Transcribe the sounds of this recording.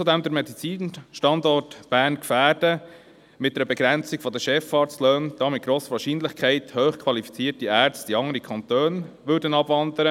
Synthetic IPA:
od̪ɛmd̪əɾmɛd̪it͡siːnʃtɑndɔrtb̥æːɾnkfæːɾd̥ə | mɪtd̥ɛɾəbɛɡ̥ɾænt͡siɡ̥fɔd̪əʃɛfɑːɾt͡stløːnd̥ɑːmɪt̚ɡ̥ɾoːsəʋɑːʃiːnlɪχkʰɛɪthøːχkʰʋɑlifi̥t͡siːtiæːɾt͡st̪iɑŋəɾikʰɑnt̪øːnʋʏːɾdənɑbʋɑnd̪əɾə

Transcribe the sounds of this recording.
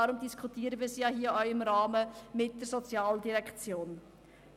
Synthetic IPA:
ɑɾʊmd̪iskʰutiːəɾəʋiːsijɑɦiːəʔœʊɪmɾɑːməmɪt̚d̥əɾsɔt͡sjɑːldiɾɛkt͡sjoːn

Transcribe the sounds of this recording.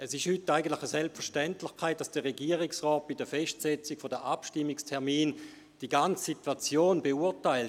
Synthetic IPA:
ɛsɪʃhytːaɪɡən̩tlɪχəsɛlpfəʁʃtɛntlɪχkʰaɪt̚d̥asd̥əʁeɡiəʁiksʁɔːt̚b̥idəfɛʃtsɛt͡sikfodəʔapʃtɪmːikstʰɛɐmiːn | d̥iɡant͡ssitwat͡sjoːnbeuɐtaɪlt

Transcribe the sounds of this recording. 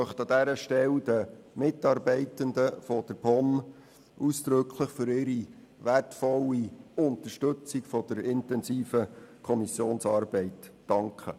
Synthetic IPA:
œχtɑd̪æɾəʃtɛld̪əmɪtɑːɾbɛɪtənd̪əfɔd̥əɾbɔm | usd̥̪ɾɵkʰləχfʏɾɪɾi | ʋætfɔlːiʊnt̪əʃtɵt͡sikfɔd̥̪əɾɪntɛnsiːfəkʰɔmisjoːnsɑːɾbɛɪtː | ɑŋkχə̰

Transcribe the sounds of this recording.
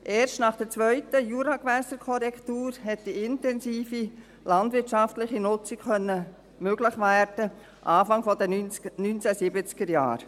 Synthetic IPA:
ʔeːɾstnɑχd̥ɛɾt͡sʋœʏtəjuːɾɑɡvɛsəɾkʰɔɾɛktuːɾhɛt̚d̥iɪntɛnsiːfi | lɑndʋɪtʃɑftlɪχinʊt͡sikχœnːə | møɡ̥lɪχʋæːɾd̥ə | ʔɑːfɑŋfɔdənynt͡sɛsɪbət͡skəɾjɑ̰ːɾ

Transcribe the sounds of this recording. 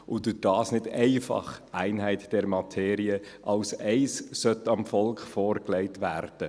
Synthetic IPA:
ʔʊdʊd̥ɑːsnɪdɛɪfɑ̰χʔæɪnɦæɪtd̥ɛɾmɑtʰeːɾiəʔɑlsɛɪssœt̪ɑmfɔlkχfoːɾklɛɪtʋæːrd̥ə

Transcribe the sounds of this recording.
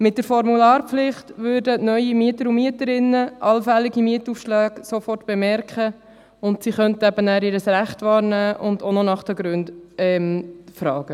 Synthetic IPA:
mɪt̚dəɾfɔɾmulɑːɾpflɪχtʋøːɾdənœʏimiətəɾʊmiətəɾɪnːəʔɑlfɛlɪɡimiətufʃlæːɡ̥sofɔrtb̥emɛɾkχə | ʊntsiχœntəɛbənæːɾɪːɾəsɾæχtʋɑːɾnæːʔʊndonɔnɑχd̥əɡɾʉndɛmfɾɑːɡ̥ə

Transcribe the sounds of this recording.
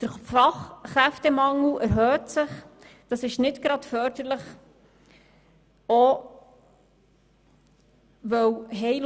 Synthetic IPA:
d̥əɾfɑχːɾæftɛmɑŋl̩æɾɦœːtsəχ | d̥ɑsɪʃnɪtɡ̥ɾɑdfœɾd̥əɾləχ | ɔ | ʋœwɦɛjl

